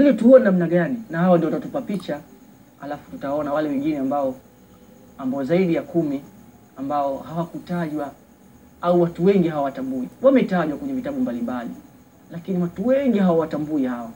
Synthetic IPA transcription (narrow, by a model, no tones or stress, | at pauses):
liɔtuɔnamnaɠaninahawɔndiɔwatatupapit͡ʃa | ha̰lafu̥tutawaɔnawalɛwɛŋɡinɛambaɔ | ambɔɔzaiɗijakumi | ambaɔhawakutaʄwa | auwatuwɛŋɡiɦawawatambuiwamɛtaʄwakwɛɲɛvitaɓumbalimbalḭ | lakiniwatuwɛŋɡiɦawawatambuihawa